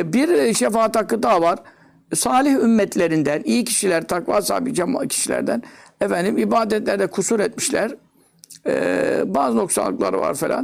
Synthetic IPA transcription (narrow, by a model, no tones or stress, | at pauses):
biɾʃefaːt̪ʰːakːˠɯd̪avaɾ̥ | saːlʲiçymːɛt̪ʰlʲe̞ɾind̪ænijicʰi̥ʃilʲæɾt̪ʰakva̰ːsa̰ːbid͡ʒɛmcʰi̥ʃilʲæ̰ɾd̪ænɛfænd̪imibaːd̪ɛt̪lʲæɾd̪ɛkʰusuɾɛt̪̚miʃlʲæɾ | baːzɯno̞ksa̰lˠːɯ̰klˠa̰ɾva̰ɾfelʲa̰n